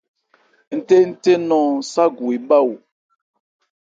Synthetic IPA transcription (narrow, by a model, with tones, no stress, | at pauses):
n̩˦te˦n̩˦te˦nɔ̃˦sa˦ɡu˨i˨ɓa˦wu˨